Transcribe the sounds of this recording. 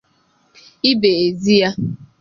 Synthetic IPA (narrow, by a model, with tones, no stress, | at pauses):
i˦be˨e˨zi˦ja˦